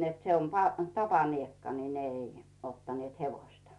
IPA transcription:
net se on pɑ tɑpɑniekːɑ ni ne ei otːɑnĭeˑt heʋoĭstɑ

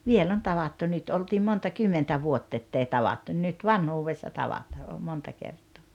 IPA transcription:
ʋiel on tɑʋɑtːu nyt oltiːm montɑ kymːentæ ʋuotː etːei tɑʋɑtːu n̆ĭn̆ nyt ʋɑnhuːʋesːɑ tɑʋɑtɑː o montɑ kertˑoː

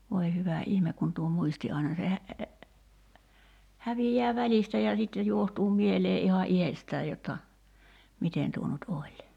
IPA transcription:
ʋoi hyʋæ ihmek kun tuo muisti ɑinɑ se hæ hæʋijːæː ʋælistæ jɑ sitːe juohtuː mieleː ʔihɑn ʔihestæː jotːɑ miten tuo nut olʲ

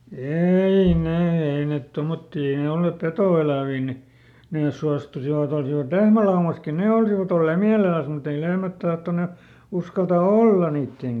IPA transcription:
ei neː ei net tomotːiː ei ne olːeˑp petoˑelæˑʋiː ni neˑs suɑstusiʋɑt olsiʋɑt lehmælɑumɑski ne olsiʋɑt olːeː miælelæs mut ei lehmæt tɑhtone uskɑltɑ olːɑ niːtːeŋ

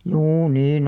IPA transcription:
juː niːn

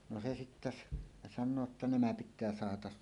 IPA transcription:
no se sitːæ s sɑnˑoː tːɑ næmæ pitˑæː sɑhɑtɑs

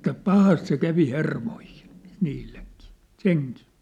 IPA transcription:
etːæ pɑhɑst se kæʋi hermoihi̥n̥ niːlːeŋkiː seŋki̥ː

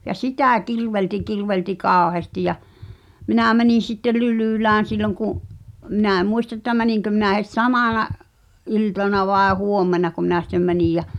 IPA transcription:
jɑ sitæˑ kirʋelti kirʋelti kɑːŏheɑ̆sti jɑ minæˑ mæniˑn̞ sitːe lylyˑlæːn̞ silːoŋ kuʔ minæˑ ĕm muistɑ ĕtːæ mæniŋkø minæ het sɑmɑˑnɑʔ ʔiltɑnɑ ʋɑˑe huomːenɑko minæ sĭtːem mænij jæ

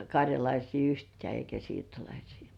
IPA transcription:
kɑrʲjɑlɑisiː yhtĕæˑ eikæ siːrtolɑisi̥ː

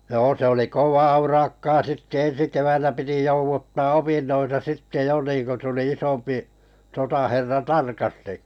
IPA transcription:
joː se oli koʋɑː urɑkːɑː sitːe ensi keʋænːæ piti jouʋutːɑː opinːoitɑ sitːe jo niːŋko tuli isompi sotɑherːɑ tɑrkɑsti

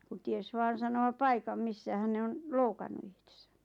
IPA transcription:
kun ties ʋɑːn̞ sɑnoɑ pɑikɑm misːæhæn̞ ne on loukɑnːu ihte̥sæ̥

